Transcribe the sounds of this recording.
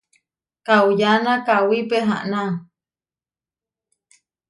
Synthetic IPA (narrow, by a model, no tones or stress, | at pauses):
kawjanakawipeɦa̰ʔnaŋ